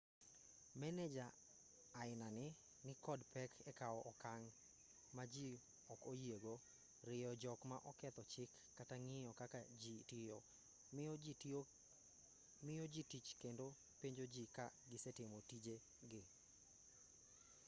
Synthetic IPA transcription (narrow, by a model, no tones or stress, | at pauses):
mɛnɛd͡ʒaː | ɪnanɪ | nɪkɔdpɛkʰɛkaɔʔɔkaŋ | mad͡ʒi | ɔkojeɡo | ɾɪjɔd͡ʒɔkma̰ʔɔkɛt̪ɔt͡ʃɪkːataŋɪjɔkakad͡ʒitɪjɔ | mɪjɔd͡ʒitit͡ʃkendo | piɲd͡ʒod͡ʒikaɡɪsɛtɪmotid͡ʒe | ɡɪ